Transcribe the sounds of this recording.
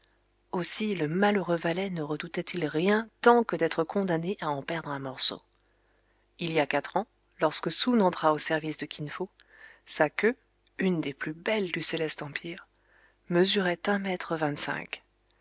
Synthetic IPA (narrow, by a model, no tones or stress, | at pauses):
osiləmaløʁøvalɛnəʁəd̪ut̪ɛt̪ʰilʁjɛ̃t̪ɑ̃kəd̪ɛt̪χəkɔ̃d̪aneʔaɑ̃pɛʁd̪ʁɛ̃mɔʁso̰ | iliakat̪χɑ̃ | lɔʁskəsunɑ̃t̪χaosɛʁvisd̪əkʲʰinfo | sakʲø | ynd̪eplybɛld̪yselɛst̪ɑ̃pʰiʁ | məzyʁɛt̪ɛ̃mɛt̪χəvɛ̃t̪sɛ̰̃k